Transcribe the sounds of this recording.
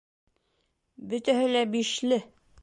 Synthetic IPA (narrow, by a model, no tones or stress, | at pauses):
bɵ̆t̪æhɘlæbiʃlɘ